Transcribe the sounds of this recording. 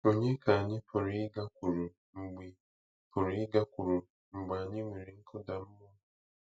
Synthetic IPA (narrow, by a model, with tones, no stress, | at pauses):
o˨ɲe˦ka˨ɲi˦pʰu˨ɾi˦ɡa˦k̚u˨ɾu˨ | m̩˨bwi˦ | pʰu˨ɾi˦ɡa˦ku˨ɾu˨ | m̩˨bwaː˨ɲi˦mwi˨ɾi˦ŋ˦kʰo˦da˨m˦mo˦